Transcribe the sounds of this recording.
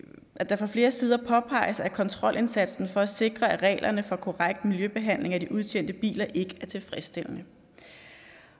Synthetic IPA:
ʔæd̥ɑ̈fɒ̽fle̝ːɐsiːð̞ˠɐpʰɒ̽pʰɑ̈ɪsɑ̈ækʰɒ̽nt͡sʰʁɒ̽l̰ʔe̝nsæd̥sn̩fɒ̽æse̝ɡ̥ʁɐæʁɛ̰ːlʔɐnəfɒ̽kʰo̝ʁaɡ̥̚d̥miljøb̥e̝ɦæn̰le̝ŋæd̥iʔuð̞ˠt͡ɕʰen̰d̥əb̥ḭːlɐʔe̝ɡ̥əæɐt͡sʰe̝lfʁɛsd̥e̝l̰nə

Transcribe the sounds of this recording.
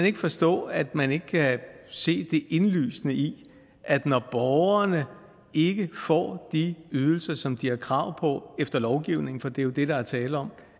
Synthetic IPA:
ne̝ɡ̥əfɒ̽sd̥ɔ̰̽ːæd̥mæne̝ɡ̥əkʰæse̝̰ːd̥e̝ʔe̝nly̰ːsnəi | ʔæd̥nɒb̥ɒʊɐnə | e̝ɡ̥əfɒ̰ːd̥iyð̞ˠl̩sɐsɒ̽md̥iæɐkʰʁɑ̈ʊ̰pʰɒ̽efd̥ɐlɒʊɡ̥iʊne̝ŋ̩fɒ̽d̥e̝jo̝d̥e̝ɾ̥ɑ̈æɐt͡sʰɛːləɒ̽m̰

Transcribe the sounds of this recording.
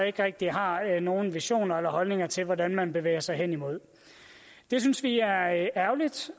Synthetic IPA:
e̝ɡ̥əʁɛɡ̥̚d̥iɦɑ̈no̝ːn̩ʋiɕo̝̰ːnɐelɐɦɒ̽lne̝ŋɐt͡sʰe̝lʋɒdænmænb̥e̝ʋḛːɐsɑ̈ɪɦen̰imo̝ð̞̰ˠ | d̥e̝s̬ynsʋiæɐæɐlid̥

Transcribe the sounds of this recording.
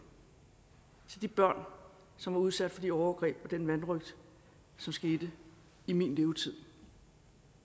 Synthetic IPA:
t͡sʰe̝d̥ib̥ɶɐ̰n | sɒ̽mʋɑ̈uð̞ˠsæd̥fɒ̽d̥iɒʊɐɡ̥ʁɛ̰ːb̥ɒ̽d̥enʋænʁœɡ̥̚d̥ | sɒ̽msɡ̥e̝ːd̥ə | iminle̝ʊt͡sʰið̞̰ˠ

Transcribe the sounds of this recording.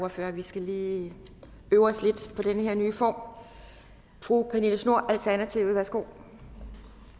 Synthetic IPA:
ɐføɐ̰ʋisɡ̥æliː | øːʊɒsle̝d̥pʰɒ̽d̥enəheɐnyːfɒ̰ːm | fʁukʰæniləsno̝ɐ̰ʔælt͡sʰæɐnæt͡sʰiʊ̰ðˠʋæɐsɡ̥o̝̰ː

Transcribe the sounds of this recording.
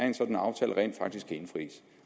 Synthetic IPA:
æɐe̝nsɒ̽d̥n̩ɑ̈ʊt͡sʰɛ̰ːləʁɛ̰ːnd̥fɑ̈ɡ̥d̥isɡ̥kʰæe̝nfʁḭːs

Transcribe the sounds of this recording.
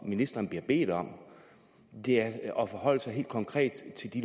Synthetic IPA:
minisd̥ɐnb̥liɐb̥e̝̰ːd̥ɒ̽m̰ | d̥e̝æɐɒ̽fɒɦɒ̽l̰əsɑ̈ɪɦe̝̰ːld̥̚kʰɒ̽ŋkʰʁɛ̰ːd̥t͡sʰe̝ld̥i

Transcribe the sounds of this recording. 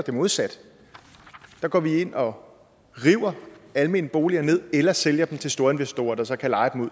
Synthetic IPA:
d̥emoð̩ˠsæd̥ | d̥ɑ̈ɡ̥ɒ̰ːʋie̝n̰ɒ̽ | ʁiːʊ̰ɐælme̝̰ːnəb̥o̝ːliɐne̝ð̞̰ˠelɐseljɐd̥em̩t͡sʰe̝lsd̥o̝ːɐe̝nʋesd̥o̝̰ːɐd̥ɑ̈sɒ̽kʰælɑ̈ɪd̥emuð̰ˠ

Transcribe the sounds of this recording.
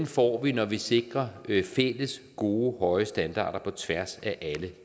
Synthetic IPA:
nfɒ̰ːʋinɒʋise̝ɡ̥ʁɐfel̰əsɡ̥o̝ːhɒ̽ɪəsd̥ænd̥ɑ̰̈ːɾ̥ɐpʰɒ̽t͡sʰʋæɐsæʔælə

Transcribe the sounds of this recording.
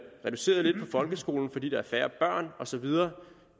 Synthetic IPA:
ʁɛd̥use̝̰ːɐðˠle̝d̥pʰɒ̽fɒ̽lɡ̥əsɡ̥o̝̰ːln̩fɒ̽d̥ḭːd̥ɑ̈æɐfæːɐb̥ɶɐ̰nɒ̽sɒ̽ʋið̞ˠɐː

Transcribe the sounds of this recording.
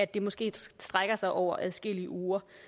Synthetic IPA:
æd̥ːe̝mɒ̽sɡ̥e̝̰ːsd̥ʁaɡ̥ɐsɑ̈ɪʔɒʊ̰ɐʔæðˠsɡ̥el̰iəuːɐ

